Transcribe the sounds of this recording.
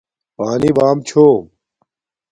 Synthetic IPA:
paːniːbaːmt͡ɕʰoː

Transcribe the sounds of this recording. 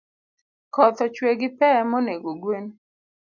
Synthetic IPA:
kɔt̪ɔt͡ʃweɡɪpɛmɔneɡoɡwen

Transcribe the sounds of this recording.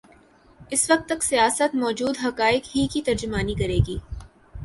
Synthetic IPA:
ɪsʋɐk̚t̪ːɐk̪̚sijaːsət̪mɔːd͡ʒuːd̪ɦɐkaːɪkɦikit̪ɐɾd͡ʒʊmaːnikɐɾeːɡiː

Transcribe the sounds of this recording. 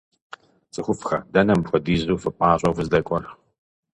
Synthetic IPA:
t͡sʼɨxʷʊfxɐ̰dɐnɐmbxʷɔdiːzuːfɨpʼaːɕʷʼɐwvɨzdɐkʷʼɔr

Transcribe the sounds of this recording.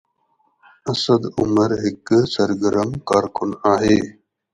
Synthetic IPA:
ɐsɐd̪ʊmɐɾɦɪksɐɾɡəɾəmkaːɾkʊnaːɦeː

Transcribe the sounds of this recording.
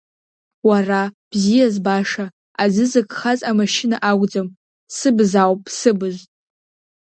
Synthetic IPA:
warab̥zijazbaʂa | azɨzɨkʼχazʼamaʃɪnaʔaɡʷd͡zam | sɨbzawpʼsɨbɨztʼ

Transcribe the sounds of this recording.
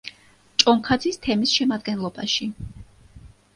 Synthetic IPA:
t͡ʃʼɔŋkʰad̪zist̪ʰɛmisʃɛmad̪̚ɡɛnlˠɔbaʃi

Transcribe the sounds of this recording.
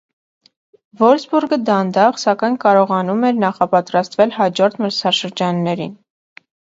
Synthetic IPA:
vɔɾsbuɾɡəd̪ɑnd̪ɑʁsɑkɑjnkɑɾɔʁɑnumɛɾnɑχɑpɑt̪ɾɑst̪vɛlhɑd͡ʒɔɾt̪ʰməɾsʰɑʃəɾd͡ʒɑnːɛɾḭn

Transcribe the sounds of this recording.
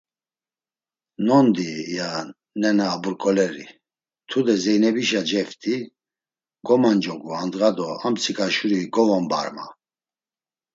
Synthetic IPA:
nɔnd̪ija | nɛnaːbuɾkʼɔlɛɾḭ | t̪ʰud̪ɛzɛjnɛbiʃad͡ʒɛft̪ʼi | ɡɔmand͡ʒɔɡuand̪ɣad̪ɔamt͡sʰikʼaʃuɾiɡɔvɔmba̰ɾma̰

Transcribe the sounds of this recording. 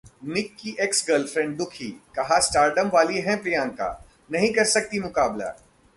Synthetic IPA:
mɪkːiʔeksɡəlfɾɛ̃ɳɖ̚d̪ʊkʰḭːkɐɦasʈaːɾɖəmʋaːliɦɛ̃pɾijãːŋka̰ː | nɐɦĩkɐɾsɐk̚t̪imʊkaːbla̰ː

